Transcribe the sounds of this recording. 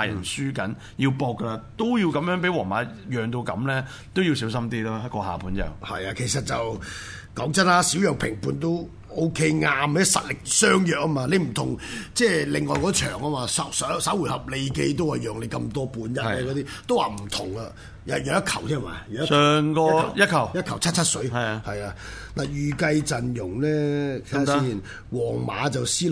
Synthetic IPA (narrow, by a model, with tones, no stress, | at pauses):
a˧jɐ̰˨˩nsyː˥kɐ˨˥n | ji˧wpɔː˧kːə˧la˧t̪o˥wji˧wkɐ˨˥mjœː˨˥ŋpe˨˥jwɔː˨˩maː˨˧ | jœː˨˩ŋt̪o˧wkɐ˨˥mlɛː˥ | t̪o˥wji˧wsiː˨˥wsɐ˥mt̪iː˥lɔ˥ɐ˥kɔː˧ha̰ː˨˩pʰuː˨˥nt͡sɐ̰˨whɐ̰˨jaː˧kʰe˨˩jsɐ˨t̚t͡sɐ˨w | kɔː˨˥ŋt͡sɐ˥nlaː˦˥siː˨˥wjɐ˨wpʰɪ˨˩ŋpʰuː˨˧nt̪̬o˥w | o˥wkʰe˥jŋaː˧mːɛ˥sɐ̰˨t̚lɪ˨k̚sœː˥ŋjœː˨k̚ːɐː˥maː˧le˨˧jm̩˨˩t̪ʰʊ˨˩ŋt͡sɛː˥˧lɪ˨ŋːɔː˨˧jkɔː˨˦˥t͡ʃʰœ̰ː˨˩ŋaː˥maː˧sɐ˨˥ssɐ˨˥wu˨˩jhɐ˨p̚le˨˧jke˧jt̪̬o˥whɐ˨jœː˨˩ŋle˨˧jkɐ˧mt̪ɔː˥puː˧njɐ˥t̚lɛː˧kɔ˨˧t̪iː˥t̪o˥wa̰ː˨˩m̩˨˩t̪ʰʊ˨˩ŋɐ˧ | jɐ˨jɛ˨˧wjɐ˥t̚kʰɐ˨˩wt̪ʰiː˥˨ma̰ː˨˩jːŋkɔː˥˧˨jɐ˥kʰɐ˨˩jɐ˥t̚kʰɐ˨˩wt͡sʰɐ˥t̚t͡ʃʰɐ˥t̚sɵ˨˥ɥhɐ˨jaː˧ | naː˨jyː˨˩kɐ˧jt͡sɐ˨njʊ˨˩ŋlɛː˥kʰa˨i˥i˨˩n | wɔː˨˩ŋma̰ː˨˥t͡sɐ˨wsiː˥